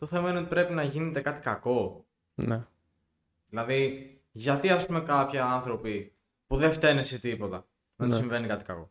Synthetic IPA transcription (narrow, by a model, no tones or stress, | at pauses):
t̪oθe̞mɐineot̪i̥pɾe̞pinɐʝine̞t̪e̞kɐt̪i̥kɐko̞ | ne | ðilɐði | ʝɐt̪iɐspume̞kɐpçiɐnθɾo̞pi | puðeft̪e̞nesit̪ipo̞t̪ɐ | nɐt̪osiɱve̞nikɐt̪i̥kɐ̰ko̞̰